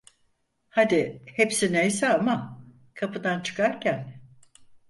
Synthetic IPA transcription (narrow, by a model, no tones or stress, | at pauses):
had̪ɪhepsinejsɛama | kʰapɯd̪ant͡ʃʰɯ̥kaɾcʰæn